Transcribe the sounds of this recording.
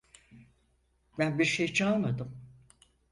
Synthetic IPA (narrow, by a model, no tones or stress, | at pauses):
bænbiɾʃejt͡ʃʰalˠmad̪ɯm